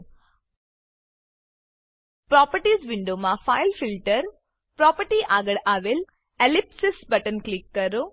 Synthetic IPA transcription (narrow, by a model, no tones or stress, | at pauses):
pɾɔpəɾʈisʋɪɳɖomãfailfilʈəɾ | pɾɔpəɾʈiʔaɡəɭaʋel | elipsɪsbəʈənklikːəɾo